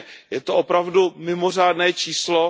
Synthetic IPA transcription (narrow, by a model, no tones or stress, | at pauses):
jɛt̪oʔopɾavdumɪmo̞r̝aːdnɛːt͡ʃiːslo